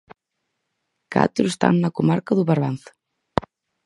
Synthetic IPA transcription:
ka̰t̪ɾust̪a̰nːakɔmaɾkaðupaɾvanθ

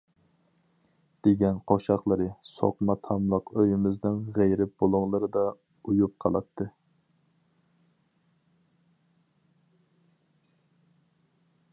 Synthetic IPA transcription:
d̪̥eɡʲɛnqʰoʃɑχlˠəɾɨso̰qmɑt̪ʰɑmlˠəqøjɪmɪznɪŋʁejɾɪb̥olˠʊŋlˠɨɾɨd̪ɑ | ujup̚qʰɑ̰lˠɑ̰t̪ʰːɨ

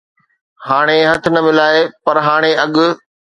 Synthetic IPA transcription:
haːɽ̃eɦɐt̪ʰɪnɐmɪlaːepɐɾɦaːɽ̃eɐɠʊ̆

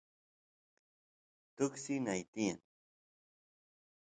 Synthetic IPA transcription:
t̪ʊksinajt̪ijan

